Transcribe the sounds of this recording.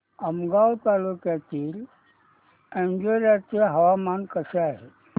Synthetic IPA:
əmɡawt̪alukjat̪iːl | ẽɲd͡ʒoɾjat̪iɦɐʋamankəseaɦe

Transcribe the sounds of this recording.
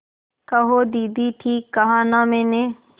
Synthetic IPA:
kɐɦoːd̪iːd̪iʈʰiːkːɐɦãːnamẽːne

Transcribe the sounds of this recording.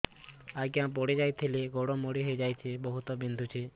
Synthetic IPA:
aɡãp̬ɔɽed͡ʒajt̪ʰiliɡoɽomoɽiɦojd͡ʒajt͡ʃʰibɔɦut̪ɔbind̪ʱut͡ʃʰi

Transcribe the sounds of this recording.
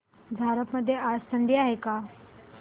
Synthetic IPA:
d͡zʱaɾəpməd̪ʱːjeast̪əɳɖiːaɦeka

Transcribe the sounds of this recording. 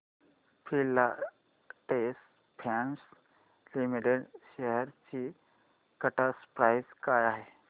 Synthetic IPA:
pʰilːa | ʈes | pʰans | limiʈeɽɕeɦəɾt͡ɕi | kəʈaspɾajskajaɦe

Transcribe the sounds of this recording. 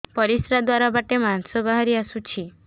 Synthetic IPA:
pɔɾisɾad̪waɾabaʈemansɔbaɦaɾiasut͡ʃʰi

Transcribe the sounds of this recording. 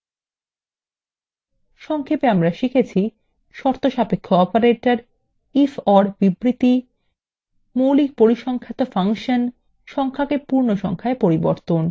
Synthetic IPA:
ʃɔŋkʰepeamɾaʃikʰet͡ɕʰi | ʃɔɾt̪oʃapekʰːoɔpaɾeʈaɾ | ifɔɾbibɾit̪i | mowlik̚poɾiʃɔŋkʰat̪ofaŋʃan | ʃɔŋkʰakepuɾnoʃɔ̰ŋkʰaepoɾibo̰ɾt̪on

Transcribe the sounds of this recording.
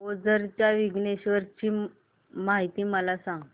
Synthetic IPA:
od͡zəɾt͡ɕjaʋiɡneɕʋəɾt͡ɕiː | maɦit̪iːməlasãŋɡ

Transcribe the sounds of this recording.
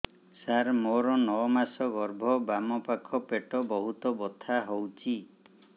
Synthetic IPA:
saɾmoɾɔnɔmasɔɡɔɾbʱɔbamɔpakʰɔpeʈɔbɔɦut̪ɔbɔt̪ʰaɦowt͡ʃʰi

